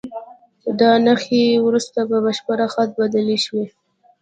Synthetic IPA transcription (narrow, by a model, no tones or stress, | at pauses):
d̪ɑnaxewɾust̪ababaʃpaɾaxat̪̚bad̪əleʃwe